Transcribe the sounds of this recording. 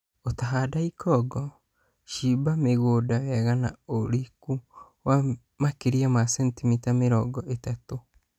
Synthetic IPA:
otaɦadaikɔɡɔ | ʃibameɣoːdawɛɣana̰oɾiku | wa | makeɾiamasɛntimitameɾɔɡɔʔetato

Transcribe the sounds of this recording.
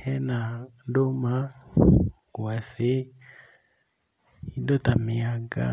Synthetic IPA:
hɛnadoma | kwɛsɪ | idɔtamiaɡa̰

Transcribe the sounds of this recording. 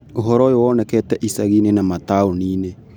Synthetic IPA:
oɦɔɾɔjowɔːnɛkɛːtɛʔisaɣinenamataoniːne

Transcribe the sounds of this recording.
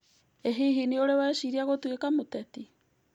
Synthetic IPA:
eɦiɦinioɾewaʃiɾiaɣotwekamotɛti

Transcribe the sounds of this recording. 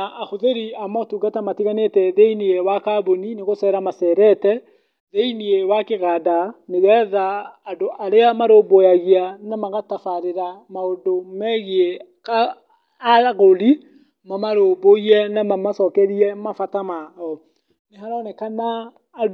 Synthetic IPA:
aaxoðeɾiamatuɡatamatiɣanetɛðeiniewakabonineɣosɛɾamasɛɾɛtɛ | ðeiniewakeɣadaneɣɛðaːdoʔaɾeamaɾobojaɣianamaɣatafaɾeɾamaondomɛɣie | kaː | ɾaɣoli | mamaɾoboiɛnamamasɔkɛɾiɛmafatamaɔ | neɦaɾɔnɛkanaː

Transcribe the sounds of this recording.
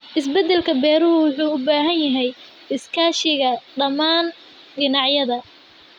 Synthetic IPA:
ʔɪs̬bɛd̪ɛlkʰɐbɛːɾʊhʊwʊħuːʊbaːɦɐnjɐɦɛj | ɪskʰaːʃɪɣɐɖɐmaːn | ɖɪnɑʕjɐðɐ

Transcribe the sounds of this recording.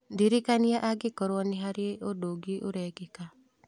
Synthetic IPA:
ndiɾikaniaʔaɡekɔɾwɔneɦaɾeeodoɡiʔoɾɛɡeka

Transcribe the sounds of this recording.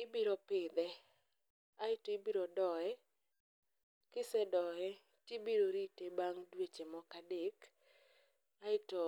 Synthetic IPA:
ɪbiɾopɪd̪ɛ | aɪtɔɪbiɾodɔɛ | kɪsɛdɔɛ | tebiɾoɾitebaŋdwet͡ʃemɔkadek | aɪtɔ

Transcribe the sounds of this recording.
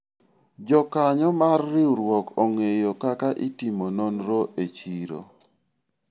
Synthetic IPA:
d͡ʒɔkaɲɔmarːɪuɾwɔkoŋejokakaʔitimononɾoʔet͡ʃiɾo̰

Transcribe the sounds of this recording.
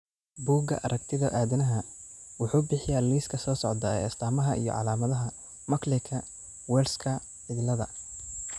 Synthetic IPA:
buːɡɐ̰ʔɐ̰ɾʔɐkt̪ʰɪðɐʔaːðɛnɐɦɐwʊħuːbɪħɪjaliːskʰɐsɔːsɔʕd̪ɐɛ̰ːɪst̪ʰaːmɐɦɐʔḭjɞ̰ʕɑ̰laːmɐðɐɦɐ | mɐklɪkʰɐ | wɛːlskʰɐ | ʕɪðɪlɐðɐ̰

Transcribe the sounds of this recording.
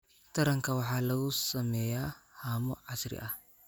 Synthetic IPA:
t̪ʰɐɾɐŋkɐwɑħaːlɐɣʊsɐmɛjaːhamɔʕɑsɾɪ̰ʔɐh

